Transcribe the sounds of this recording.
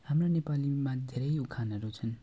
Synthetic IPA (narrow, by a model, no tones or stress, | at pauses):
hamronepalimãd̪ʱeɾʌjukʰanʌɾut͡sʰʌn